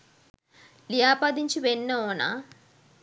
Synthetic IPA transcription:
lijaːpad̪iɲt͡ʃiʋenːoːna̰

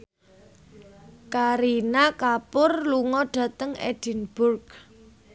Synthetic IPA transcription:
kaɾinakapʊrluŋɔɖ̥ä̤t̪əŋɛ̰ɖ̥i̤nb̥ʊrk

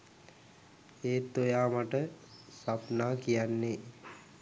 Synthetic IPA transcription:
eːt̪ojaːmaʈəsapnaːkijanːe

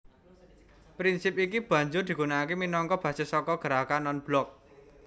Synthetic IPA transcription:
pɾinsipikib̥ä̤ɲd͡ʒʊrd̪̥i̤ɡ̥unakeminɔŋkɔb̥ä̤sesɔkɔɡ̥ə̤ɾakanɔnb̥lɔk̚

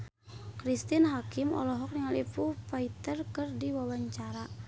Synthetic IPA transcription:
kɾist̪inɦakimɔ̰lɔɦɔk̚niŋalipufait̪ərkɨrdiwawaɲt͡ʃaɾa

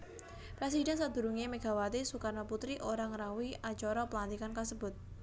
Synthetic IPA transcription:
pɾes̬idɛnsad̪̥ṳɾuŋemeɡ̥a̤wat̪esukanaput̪ɾiʔoɾaŋəɾawiʔat͡ʃɔɾɔpəlant̪ikankasəb̥ʊ̤t̪̚

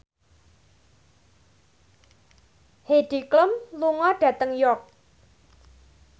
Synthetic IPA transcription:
heɖ̥ikləmluŋɔɖ̥ä̤t̪əŋjɔk̚

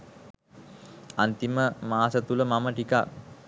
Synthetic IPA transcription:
ant̪iməmaːsət̪uləmaməʈikak

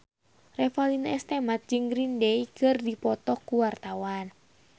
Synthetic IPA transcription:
rɛfalinaɛst̪emat̪̚d͡ʒɨŋɡɾindeikɨrdipɔt̪ɔkːuwart̪awan

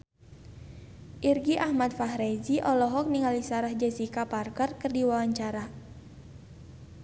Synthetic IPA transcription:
ʔirɡiʔahmat̪̚faɦɾeziʔɔlɔɦɔk̚niŋalisaɾahd͡ʒasikaparkərkɨrdiwawaɲt͡ʃaɾa

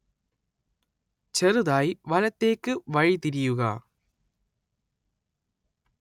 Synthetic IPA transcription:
t͡ɕerɨðaːjiʋɐlɐt̪ːe̞ːkːɨʋɐɻit̪iɾijuɣɐ

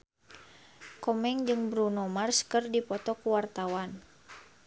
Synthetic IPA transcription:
kɔmɛŋd͡ʒɨŋbɾunɔmarskɨrdipɔt̪ɔkuwart̪awan

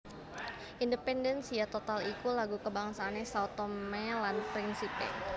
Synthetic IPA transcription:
ʔindəpɛndɛnsiat̪ot̪alikulaɡukəbaŋsaːnɛsawt̪omɛlanpɾinsipɛ̰

